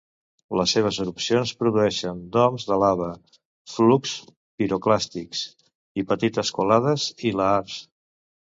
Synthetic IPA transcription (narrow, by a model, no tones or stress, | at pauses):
ləsːeβ̞əzəɾupsionspɾuðuɛʃənd̪ɔmzðəlaβə | fluks | piɾuklast̪iks | ipət̪it̪əskulaðəziləaɾs